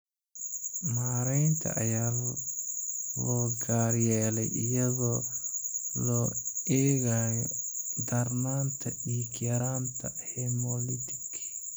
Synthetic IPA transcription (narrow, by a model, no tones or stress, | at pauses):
maːɾɛjnt̪ʰɐ̰ʔɐ̰jaːl | lɔːɡaːɾjɛːlɛjʔɪjɐɣɔː | lɔɛːɣaːjɔd̪ɐɾnaːnt̪ʰɐiːkjɐɾaːnt̪ʰɐ̰hɛmɔlit̪ʰɪk